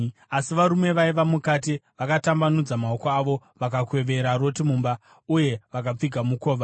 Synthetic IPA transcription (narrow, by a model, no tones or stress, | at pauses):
asiʋaɾume̞ʋaiʋamukat̬iʋakatambanud͡zamao̞koaʋo̞ | ʋakakwe̞ʋe̞ɾaɾo̞timuːmba | uje̞ʋakap͡fiɡʱamuko̞ːʋa